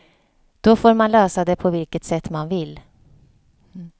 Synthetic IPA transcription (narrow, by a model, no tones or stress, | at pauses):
d̪̥ɔfoːɾmanlœːsad̪ɛpʰɔvɪlkət̪sɛt̪ːmanvɪl